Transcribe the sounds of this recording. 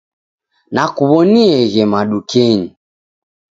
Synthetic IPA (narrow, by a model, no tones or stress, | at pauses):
nakuβɔniɛɣɛmaɗukɛɲi